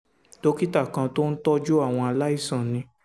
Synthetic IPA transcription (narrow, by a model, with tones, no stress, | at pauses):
to˦ki˦ta˦˨kã˧to˦n̩˦tɔ˦d͡ʒo˦a˦˨w̃ɔ̃˧a˧la˦i˦˨sã˨nĩ˧˦